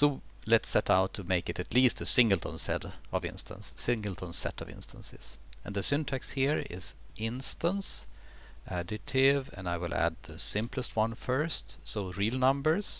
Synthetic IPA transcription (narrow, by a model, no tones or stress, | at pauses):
soʊ | lɨtsɛɾaʊtʰːɨmeɪkɨɾɨtliːstɨsɪ̃ŋɡəl̩ˠtʰə̃nsɛ̰ɾʌvɪ̰̃nstʰə̰̃nsːɪ̃ŋɡl̩ˠtʰə̃nsɛ̰ɾʌvɪ̰̃nstə̃nsɪ̰z̥ɨ̰̃nðɨsɪ̃ntʰɛksthiɹɪ̰z̥ʔɪ̃nstə̃ns | ʔædɨɾʰɪvɨ̰̃naɪwɪlˠæ̰d̪̚ðɨsɪ̃mpləst̚wʌ̃nfɜ˞stsoʊɹiːlˠnʌ̃mbə˞z̥